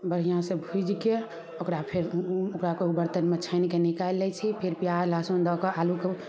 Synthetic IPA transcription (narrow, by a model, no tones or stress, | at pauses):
bəɾ̤ijãsəbʱud͡ʒke | okɾapʰeɾokɾakeubəɾt̪ənmet͡ʃʰəɪnkenikajlːɛt͡ʃʰipʰeɾpjalasõnd̪ɔkeʔaluke